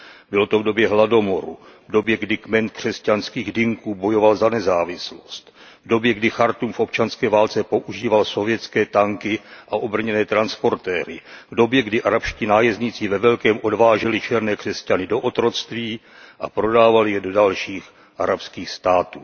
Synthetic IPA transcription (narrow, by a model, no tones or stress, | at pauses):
bɪlo̞t̪o̞vdo̞bjɛɦlado̞mo̞ɾṵvdo̞bjɛɡdɪkmɛnt̪̚kr̝̥ɛscanskiːɣdɪŋkuːbo̞jo̞valzanɛzaːvɪslo̞st̪ | vdo̞bjɛɡdɪxaɾt̪uːmfʔo̞pt͡ʃanskɛːvaːlt͡sɛpo̞ʔuʒiːvalso̞vjɛt͡skɛːt̪aŋkɪʔaʔo̞br̩ɲɛnɛːt̪ɾanspo̞ɾt̪ɛːɾɪvdo̞bjɛɡdɪʔaɾapʃciːnaːjɛzɲɪt͡sɪvɛvɛlkɛːmʔo̞dvaːʒɛlɪt͡ʃɛɾnɛːkr̥ɛscanɪdo̞ʔot̪ɾo̞st̪viː | ʔa̰pɾo̞daːvalɪjɛdo̞dalʃiːx | ʔaɾapskiːxst̪aːt̪uː